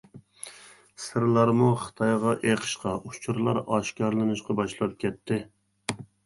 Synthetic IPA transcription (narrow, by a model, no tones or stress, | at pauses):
sɨɾlˠɑɾmuχə̥t̪ʰɑjʁɑʔeqʰə̥ʃqɑʔut͡ʃʰuɾlˠɑ̰ɾɑʃkɑɾlˠɨnɨʃqɑbɑʃlˠɑɨp̚kʲɛt̪ʰːɪ